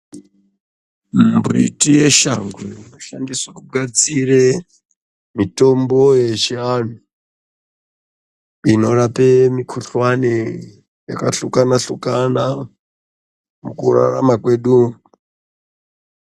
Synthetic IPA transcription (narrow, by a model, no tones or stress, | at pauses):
mmbrḭtije̞ʃaŋɡwenoʃandisakuɡʱat͡sire | mito̞mbojeʃian̤u | ino̞rapemikʰuɬwane | ja̰kaɬukanaɬukana | mukura̰ra̰makwe̞ːɗu